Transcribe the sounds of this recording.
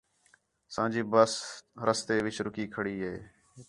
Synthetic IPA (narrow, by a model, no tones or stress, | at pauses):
sãːd͡ʒiːbəsɾəst̪eːʋɪt͡ʃɾʊkiːkʰəɽiːɦeː